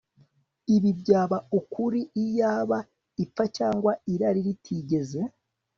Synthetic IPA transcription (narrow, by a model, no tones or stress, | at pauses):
iβibɟaːβaukuɾiːjaːβa | ip͡ffacaːŋɡwaiɾaɾiɾitʰiːɟe̞ze̞